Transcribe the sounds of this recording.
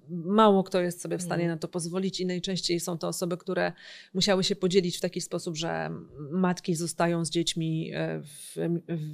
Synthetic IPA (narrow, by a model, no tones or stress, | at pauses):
mawɔkt̪ɔjɛst̪sɔbʲjɛfst̪aɲɛnat̪ɔpɔzvɔlʲit͡ɕinajt͡ʂɛ̃ɕt͡ɕejsɔ̃w̃t̪ɔːsɔbɘkt̪uɾɛmuɕawɘɕɛpɔd͡ʑelʲit͡ɕft̪akʲispɔsubʐɛ̰mat̪kʲizɔst̪ajɔ̃w̃zd͡ʑet͡ɕmʲi